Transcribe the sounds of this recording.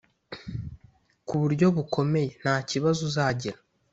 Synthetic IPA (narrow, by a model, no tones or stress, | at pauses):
kuβuɾɟo̞βukʰo̞me̞jen̥aːciβazuzaːɟiɾa